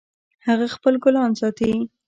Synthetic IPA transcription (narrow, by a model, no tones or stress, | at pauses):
haɣaxpəlɡʊlɑnsɑt̪awi